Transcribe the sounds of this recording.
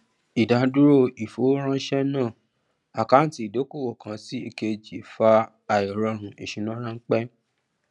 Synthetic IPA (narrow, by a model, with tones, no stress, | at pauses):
i˨da˨˦du˦ɾo˦˨i˨fo˨˦ɾ̃ã˦ʃɛ˦nãː˦˨ | a˨ka˨˦n̩˦˨ti˨˦i˨do˨˦ko˦˨wɔ˨kã˧si˦i˧ke˧d͡ʒi˨faː˧˨ | jɔ˨ɾɔ˧ɾ̃ũ˧˦e˨ʃĩ˨nã˦ɾ̃ã˦ŋ̩˦k͡pɛ˦